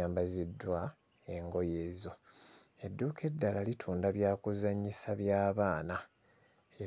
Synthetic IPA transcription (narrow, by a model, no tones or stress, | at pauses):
aːmbazidːwa | e̞ŋɡo̞jeːzo̞ | e̞dːuːkʰe̞dːalalitʰuːndaβjaːkuzaɲisaβjaːβaːna | e